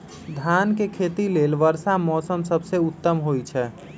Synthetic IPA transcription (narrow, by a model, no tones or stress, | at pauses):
d̪ʱankekʰet̪ileːlʋəɾsamɔːsəmsəbseʊt̪ːəmɦojt͡ʃʰɛ